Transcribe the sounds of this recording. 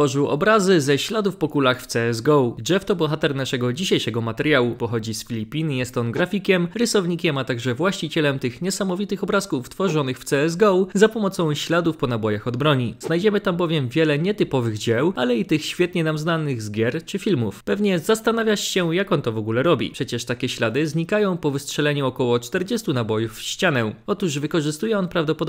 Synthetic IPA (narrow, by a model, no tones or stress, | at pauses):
fɔʐɘwɔ̰bɾazɘzɛɕlad̪ufpɔkulaxft̪sɛɛzɡɔwd͡ʑɛft̪ɔbɔxat̪ɛɾnaʂɛɡɔd͡ʑiɕajʂɛɡɔmat̪ɛɾjawupɔxɔd͡ʑisfʲilʲipʲinjɛst̪ɔnɡɾafʲikʲɛmɾɘsɔvɲikʲɛmat̪aɡʐɛvwaɕt͡ɕit͡ɕɛlɛmt̪ɘxɲɛsamɔvʲit̪ɘxɔbɾaskuft̪fɔʐɔnɘxft̪sɛɛzɡɔwzapɔmɔt̪sɔ̃w̃ɕlad̪ufpɔnabɔjaxɔd̪bɾɔɲiz̥najd͡ʑɛmɘt̪ambɔvʲjɛmvʲjɛlɛɲɛt̪ɘpɔvɘɣd͡ʑɛwalɛit̪ɘxɕfʲjɛt̪ɲɛnamznanɘɣzɡʲjɛɾt͡ʂɘfʲilmufpɛvɲɛzast̪anavʲjat͡ɕɕɛjakɔnt̪ɔvɔɡulɛɾɔbʲḭpʂɛt͡ɕɛʂt̪akʲɛɕlad̪ɘzɲikajɔ̃w̃pɔvɘstʂɛlɛɲuɔkɔwɔt͡ʂt̪ɛɾd͡ʑɛst̪unabɔjufːɕt͡ɕanɛɔt̪uʐvɘkɔʐɘst̪ujɛɔnpɾavd̪ɔpɔd̪